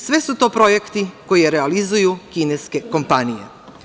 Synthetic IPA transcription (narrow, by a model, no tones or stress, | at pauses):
sʋesut̪o̞ːpɾo̞je̞kt̪iko̞jeɾealizujukineske̞ko̞mpanijḛ